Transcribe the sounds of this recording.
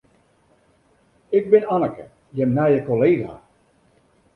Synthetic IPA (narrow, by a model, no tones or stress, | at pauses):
ɪɡ̚bɪnanəkə̰ | jɛmnajəkoleːɣa̰